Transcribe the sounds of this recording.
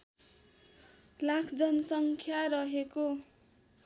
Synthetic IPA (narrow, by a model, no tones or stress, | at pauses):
lakʰd͡zʌnʌsʌŋkʰjaɾʌɦeko